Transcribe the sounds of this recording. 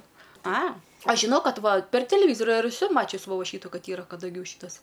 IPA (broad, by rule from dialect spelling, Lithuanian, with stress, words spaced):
ɐ ˈɐʃ ˈʒʲɪnɐʊ ˈkɐt ˈʋɐ pʲɛr tʲɛlʲɛˈʋʲiːzoːrʲʊ ɪr ɛˈsʊ ˈmɑːt͡ʃʲʊs ʋoː ˈʃʲiːtʊ kɐt ˈiːrɐ kɐdɐˈɡʲuː ˈʃʲiːtɐs